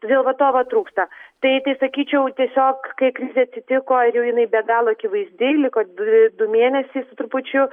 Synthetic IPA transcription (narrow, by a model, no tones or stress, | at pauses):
t̪od̪ʲeːlˠʋɐt̪oːʋɐt̪ɾuːkst̪ɐt̪ɐɪt̪ɐɪsɐkʲiːt͡ʃʲɛʊt̪ʲiɛsʲoːkkɐɪkɾʲɪzʲeɐt̪ʲsʲɪt̪ʲɪkoːɪɾjɛʊjɪnɐɪbʲɛɡɑːlˠoːikʲɪʋɐɪzʲd̪ʲeːlʲɪkoːd̪ʊmʲeːnʲɛsʲɛɪsʊt̪ɾʊpʊt͡ʃʲʊ